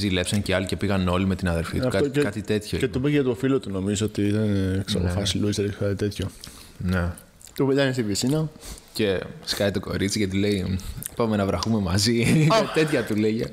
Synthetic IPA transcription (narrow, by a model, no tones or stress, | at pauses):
zile̞psɐɲceɐlice̞piɣɐno̞lime̞t̪inɐðe̞ɾfḭt̪ɐkɐt̪it̪e̞t̪çocet̪ubecʝɐt̪ofilot̪uno̞mizoot̪iit̪ɐneeksɐ̰pofɐsiluiseɾkɐt̪it̪e̞t̪ço | ne | t̪ubet̪ɐninsivisinɐce̞skɐjt̪oko̞̰ɾit͡siʝɐt̪ile̞ipɐme̞nɐvɾɐxume̞mɐziɐt̪e̞t̪çɐt̪uleʝe